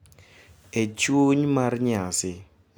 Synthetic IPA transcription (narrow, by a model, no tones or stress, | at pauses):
et͡ʃwoɲmarɲasɪ